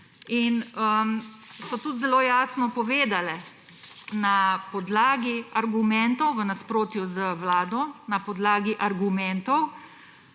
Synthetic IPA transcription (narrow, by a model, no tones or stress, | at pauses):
inəmsɔt̪ut̪zɛloːjaːsnɔpɔʋeːd̪alɛ | napɔd̪laːɡiaɾɡumɛnt̪ɔwʋənaspɾoːt̪juzəwlaːd̪ɔnapɔd̪laːɡiʔaɾɡumɛnt̪ɔw